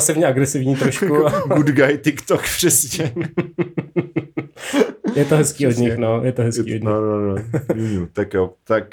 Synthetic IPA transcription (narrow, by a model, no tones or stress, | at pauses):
sɛvɲɛʔaɡɾɛsɪvɲiːt̪ɾoʃkkuaɡud̪ɡajt̪ɪkt̪okpr̥ɛsɲɛ | jɛt̪oɦɛskiːʔod̪ɲɪxnojɛt̪oɦɛskiːʔod̪ɲnonouɲut̪akjot̪ak̚